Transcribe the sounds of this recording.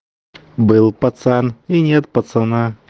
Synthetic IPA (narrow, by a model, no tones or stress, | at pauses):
bɨlˠpɐt̪saninʲet̪̚pɐt̪sɐna